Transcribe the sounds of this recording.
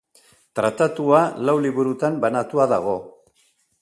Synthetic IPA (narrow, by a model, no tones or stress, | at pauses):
t̪ɾat̪at̪ualawliβuɾut̪ambanat̪uaðaɣ̞o̞